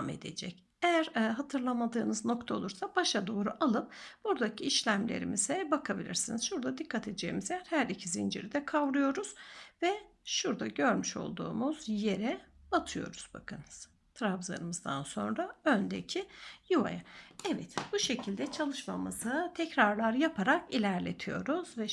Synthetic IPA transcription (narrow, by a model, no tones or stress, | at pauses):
me̞̰d̪e̞̰d͡ʒɛc | ejæɾɦat̪ʰɯɾlˠamad̪ɯːnɯzno̞kt̪ʰaolˠuɾsabaʃad̪o̞ːɾuʔalˠɯp̚b̥uɾd̪acʰiiʃlʲæmlʲḛɾḭmizɛbakʰabilʲḭɾsiniz̥ʃuɾd̪ad̪ikʰːat̪ʰed̪d͡ʒḛjimizejæɾhæɾicʰizind͡ʒiɾid̪ɛkʰavɾujo̞ɾuz̥vɛʃuɾd̪aɟøɾmyʃo̰lˠd̪ṵːmuz̥je̞ɾɛat̪ʰɯjo̞ɾuz̥bakʰanɯz̥ | t̪ʰɾavzˠa̰ɾɯmɯzd̪a̰nso̞̰nɾaønd̪ecʰijuva̰jaɛvɛt̪b̥uʃe̞cʰilʲd̪ɛt͡ʃʰalˠɯʃmamɯzɯt̪ʰɛcɾaɾlˠaɾjapʰaɾakilʲæɾlʲe̞̰t̪ʰijo̞̰ɾuz̥vɛ